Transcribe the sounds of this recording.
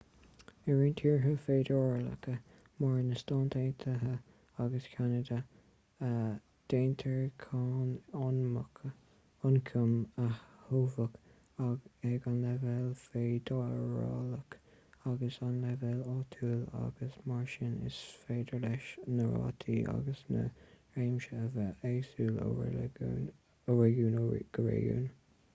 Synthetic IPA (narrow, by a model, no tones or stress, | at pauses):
ɛɹiːnt̪ʰiːɹɦəfeːd̪ɔɹlə̰kə | maɹnəst̪ɑːnt̪ʰeːnt̪ʰəɦə | aɡəskʰanəd̪ə | d̪̥eːnt̪ʰəɹkʰaːnɔnməkʰə | ʊnkʰəmahhuːvək | aɡɛɡanlɛvɛlfeːd̪ɑəɹɑːlək | aɡəsanlɛvɛlɑːt̪ʰuːla̰ɡəsmaɹʃɪnɪ̰sfeːd̪əɹlɛʃnəɹɑ̰ːt̪ʰiːʔa̰ɡəsnə̰ɹeːmʃəəvəeːsuːlə̰ɡn | əɹɛɡuːnɡ̥əɹḛjṵːn